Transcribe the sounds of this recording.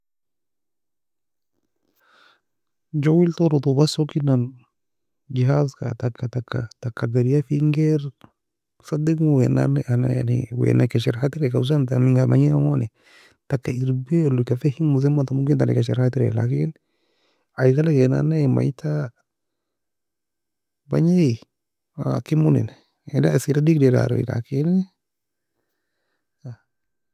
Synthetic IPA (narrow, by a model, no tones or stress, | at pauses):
d͡ʒowiltɔɾot̪ubasɔkinan | d͡ʒiɦazka̰takːatakːa̰takːaɡaɾiafiŋɡɛɾ | sadikmwɛna̰nʔana̰a̰nḭwɛ̰nakaʃɛɾhatiɾɛkaus̬antamiŋɡama̰ɲinamɔnɛ | takaiɾbilukafɛhimuz̬ɛmatamuɡɪntanɪ̰kaʃɛɾhatiɾɛ̰la̰kɪn | aikalakɛna̰nama̰itʰa | baɲe | a̰kɪmunḭn | ɛdasiɾadikdɛda̰ɾo̰ḭla̰kɪn | a